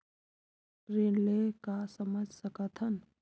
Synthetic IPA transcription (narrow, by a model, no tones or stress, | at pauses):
ɾenlekasəməd͡ʒʱsəkət̪ʰən